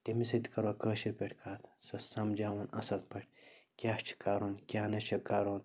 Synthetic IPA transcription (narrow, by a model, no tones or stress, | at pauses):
t̪emisɐt̪ʲi̥kɐɾwoːkəːʃiɾpʲeʈʰkʰaːt̪ʰsɐsɐmd͡ʒaːwɐnɐ̰sɐlpɐʈkʲjaːt͡ʃʰi̥kaːɾoːnkʲjaːnɐt͡ʃʰɐkaːɾoːn